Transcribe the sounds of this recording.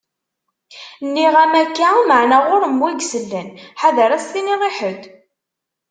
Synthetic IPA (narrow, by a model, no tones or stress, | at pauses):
nːiʁæmækːaməʕnæʁʊɾəmwæɡsəlːənħaðəɾæsθiniʁˤeħəd̪